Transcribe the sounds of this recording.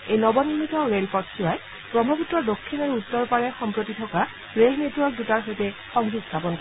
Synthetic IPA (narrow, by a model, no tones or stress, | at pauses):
ejnɔbɔnimitɔɹelpɔtsuaj | pɹɔbʱɔputɹɔdokʰːinɔɹutːɔɹpaɹɛxɔmpɹotitʰɔka | ɹelnetwɔɹk̚dutaɹɦojtɛ | xɔŋbustʰapɔnkɔ